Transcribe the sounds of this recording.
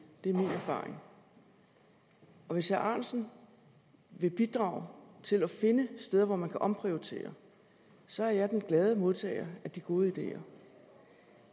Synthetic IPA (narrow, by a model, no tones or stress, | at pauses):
d̥e̝æɐminæɐfɑ̰̈ːʁe̝ŋ | ɒ̽ʋe̝shæʔɑ̈ːnsn̩ | ʋe̝b̥id̥ʁɑ̈ːʊt͡sʰe̝lɒfe̝nəsd̥eð̞ˠɐʋɒmænkʰæʔɒ̽mpʰʁiot͡sʰe̝̰ːɐ | sɒ̽æɐjɑ̈ɪd̥enɡ̥lɛːð̞ˠəmo̝ð̞ˠt͡sʰɛ̰ːɪɐæd̥iɡ̥o̝ːð̞ˠəid̥e̝̰ːɐ